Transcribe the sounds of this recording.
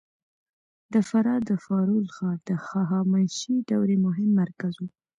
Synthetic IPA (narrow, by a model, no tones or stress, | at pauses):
d̪əfaɾɑd̪əfɑɾulxɑɾd̪̥əxɑɦɑmanʃiɖawɾemʊɦɪmːaɾkazu